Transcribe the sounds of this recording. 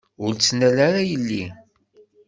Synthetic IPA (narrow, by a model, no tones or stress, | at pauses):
ʊɾt͡sːnælaɾajəlːi